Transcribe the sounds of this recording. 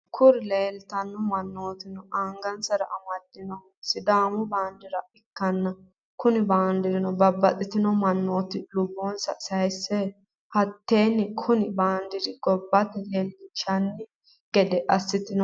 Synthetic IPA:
kʰʊɾɪleːlt̪ɐnːɔmɐnːoːt̪ɪnɔʔaŋɡɐnsɐɾɐʔɐmɐd̪ːɪnɔ | sɪd̪aːmʊbaːnd̪ɪɾɐɪkːɐnːɐ | kʊnɪbaːnd̪ɪɾɪnɔbɐbːɐt̪ʼɪt̪ɪnɔmɐnːo̞ːt̪ɪlʊbːonsɐ̰sɐjsːɛ | hɐt̪ːe̞ːnɪkʰʊnɪbaːnd̪ɪɾɪɡ̥ɔbːɐt̪ɛleːld̪ɪt͡ʃɐnːɪ | ɡ̥ɛd̪ɛʔɐsːɪt̪ɪnɔ

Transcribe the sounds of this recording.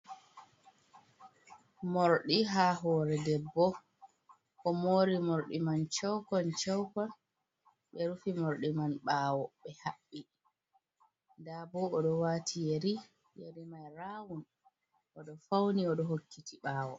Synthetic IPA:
moɾɗiɦaːɦɔːɾɛdɛbːɔ | ʔɔmoːɾimoɾɗimant͡ʃɛwkɔnt͡ʃɛwkɔn | ɓɛɾufimoɾɗimanɓaːwɔɓɛhaɓːi | ndabɔɔɗɔwaːtʰijeɾi | jeɾimajɾawun | ʔɔɗɔfawniɔɗɔhokːitʰiɓaːwɔ̰

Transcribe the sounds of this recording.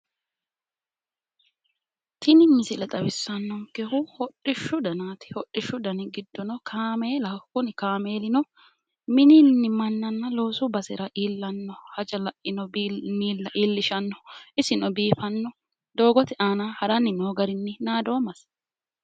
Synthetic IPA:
t̪ʰɪnɪnːɪsɪlɛt̪ʼɐbɪsːɐnːɔŋkɛhʊhɔɗːɪʃːʊd̪ɐnaːt̪ɪ̥hɔᶑːɪʃːʊd̪ɐnɪɡɪd̪ːɔnɔkʰaːmeːlɐkʊnɪkaːme̞ːlɪnɔ | mɪnɪnːɪmɐnːɐnːɐlo̞ːsʊbɐsɪɾɐʔiːlːɐnːɔhɐd͡ʒɐlɐʔɪnɔbmiːlːɐʔiːlːɪʃɐnːɔ̥ɪsɪnɔbiːfɐnːɔ | d̪o̞ːɡɔt̪ɪʔaːnahɐɾɐnɪnoːɡɐɾɪnːɪnaːd̪o̞ːmɐs

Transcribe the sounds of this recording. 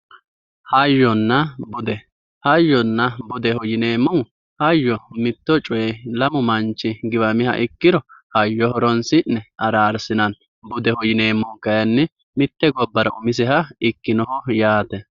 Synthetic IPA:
hɐjːɔnːɐbʊd̪ɛ | hɐjːɔnːɐbʊd̪ɛhɔjɪneːmːɔw | hɐjːɔmɪt̪ːɔt͡ʃʼɔjɛlɐmʊmɐnt͡ʃːɪɡɪbɐmɪhɐ̰ʔɪkːɪɾɔhɐjːɔhɔɾɔnsɪnːɛɐɾaːɾsɪnɐn | bʊd̪ɛhɔjɪneːmːɔwkɐjɐnːɛ | mɪt̪ːɛɡɔbːɐɾɐ̰ʔʊmɪs̬ɛhɐɪkːɪnɔhɔjaːt̪ɛ

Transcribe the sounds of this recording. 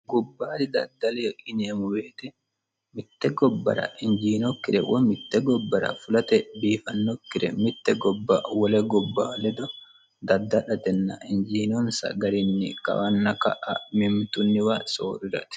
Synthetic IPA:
ɡʊbːaːd̪ɪd̪ɐ̰d̪ːɐlɛjɔʔɪneːmʊwe̞ːt̪ɛ | mɪt̪ːɛɡɔbːɐ̰ɾɐ̰ʔɪnd͡ʒiːnɔkːɪɾɛwɔmɪt̪ːɛɡɔbːɐɾɐ̰fʊlɐt̪ɛbiːfɐnːɔkːɪɾɛ̰mɪt̪ːɛɡɔbːɐ̰wɔlɛɡɔbːaːlɛd̪ɔ | d̪ɐd̪ːɐᶑɐt̪ɛnːɐ̰ʔɪnd͡ʒiːnɔnsɐ̰ɡɐɾɪnːɪkɐ̰wɐnːɐkɐ̰ʔɐ̰mɪmt̪ʊnːɪwɐso̰ːɾɪɾɐ̰t̪ɪ̥

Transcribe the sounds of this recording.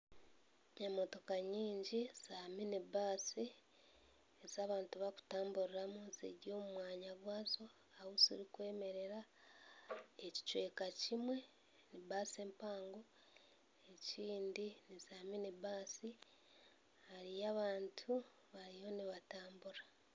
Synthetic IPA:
ɲamo̞to̞kaɲiːɲɟiz̥aːminibaːsi | ezaβaːntuβaku̥taːmbuɾiɾamunzḛɟo̞ːmumwaːɲaβwaːzo̞ | awozḭɾikwe̞ːme̞ɾe̞ɾa | eci̥t͡ʃwe̞kacimwe̞ | nibaːse̞ːmpaːŋɡo | e̞ciːndinizaːminibaːsi | haɾijaβaːntʰu | βaɾijo̞niβataːmbuɾa

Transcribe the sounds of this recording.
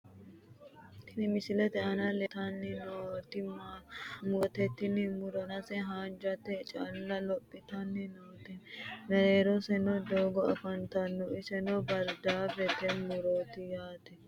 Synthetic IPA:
t̪ɪnɪmɪsɪlɛt̪ɛɐnɐlɛt̪ɐnːɪnoːt̪ɪmmut̪ɛt̪ːɪnɪmʊɾɐnɐsɛɦaːd͡ʒɐt̪ɛt͡ʃʼɐlːɐlɔpʼːɪt̪ɐnːɪnoːt̪ɛnɐɾeːɾɔsɛnɔd̪oːɡɔɐfɐnt̪ɐnːɔɪsɛnɔbɐɾd̪aːfɛt̪ɛmʊɾoːt̪ɪjaːt̪ɛ

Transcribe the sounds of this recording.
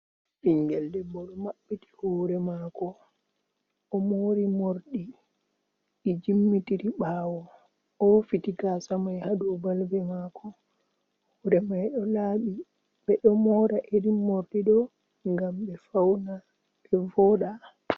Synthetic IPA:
ɓiŋɡɛldɛbɔɗɔmaɓːiti̥hɔɾɛmakɔ | ɔmoɾimoɾɗi | id͡ʒimːitiɾiɓaːwɔ | ɔfitiɡasamajhadubalbɛmakɔ | hɔɾɛmajɗɔlaɓi | ɓɛɗɔmɔɾaʔediːoɾɗiɗɔ | ŋɡambɛfawna | ɛvɔːɗa

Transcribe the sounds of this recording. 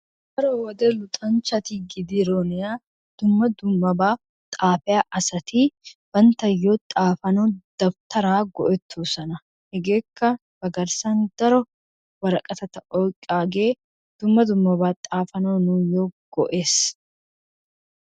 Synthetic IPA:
d̪ɐɾɔwɐd̪ɛlʊt̪ʼɐnt͡ʃɐt̪iːɡɪd̪iɾoːnɪjaː | d̪̥ʊmːɐd̪ʊmːɐbaː | t̪ʼaːfɛaːʔɐsɐt̪iːwɐnt̪ɐjːoːt̪ʼaːfɐnoːd̪̥ɐbt̪ʰɐɾaːɡɔʔɛt̪ʰːuːsɐnɐ | hɛɡeːkʰːɐ | bɐɡɐɾsaːnd̪ɐɾɔ | wɐɾɐkʼɐt̪ɐt̪ɐʔɔkʼaːɡeː | d̪̥ʊmːɐd̪ʊmːɐbaːt̪ʼaːfɐnoːnuːjoːɡ̥ɔʔe̞ːs

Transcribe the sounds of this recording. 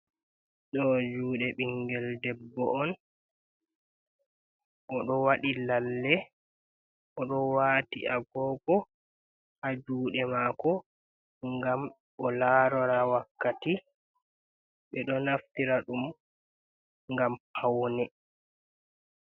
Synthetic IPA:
ɗɔd͡ʒuːɗɛɓiŋɡɛldɛbːɔ̰ʔɔn | ʔɔɗɔwaɗilalːɛ | ʔɔɗɔwaːtḭʔaɡɔːɡɔ | had͡ʒuːɗɛmakɔ | ŋɡam | ɔlaːɾɔɾawakːati | ɓɛɗɔnaftiɾaɗum | ŋɡamhawnɛ

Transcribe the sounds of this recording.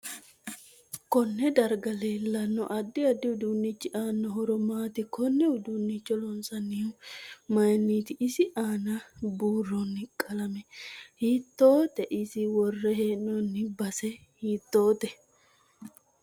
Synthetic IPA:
kɔnːɛd̪ɐɾɡɐleːlːɐnːɔ̰ʔɐd̪ːɪɐd̪ːɪʊd̪unːit͡ʃːɪʔaːnːɔɦɔɾɔmaːt̪ɪkɔnːɛʊd̪unːit͡ʃːɔlɔnsɐnːiʊmɐjɐnːiːt̪ɪʔɪsɪʔaːnɐbuːrːɔnːɪkʼːɐlɐmɛhiːt̪ːoːt̪ɛʔɪsɪwɔrːɛɦeːnːɔnːɪbɐsɛ | hiːt̪ːo̞ːt̪ɛ

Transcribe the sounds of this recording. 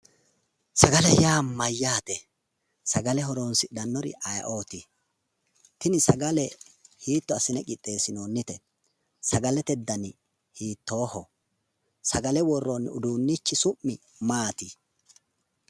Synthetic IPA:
sɐɡɐlɛjaːmɐjːaːt̪ɛ | sɐɡɐlɛɦɔɾoːnsɪd̪ɐnːɔɾɪ̰ʔɐjɐ̰ʔo̞ːt̪ɪ | t̪ɪnɪsɐɡɐlɛhiːt̪ːɔɐsɪnɛkʼɪt̪ʼːe̞ːsɪnoːnːɪt̪ɛ | sɐɡɐlɛt̪ɛd̪ːɐnɪ | hiːt̪ːo̞ːhɔ | sɐɡɐlɛwɔrːonʊd̪uːnːit͡ʃːɪsʊmːɪ | maːt̪ɪ

